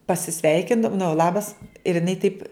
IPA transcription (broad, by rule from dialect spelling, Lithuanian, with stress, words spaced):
pɐsʲɪˈsʲʋʲɛɪkʲɪndɐ nʊ ˈlˠɑːbɐs ɪr ɪˈnɐɪ tɐɪp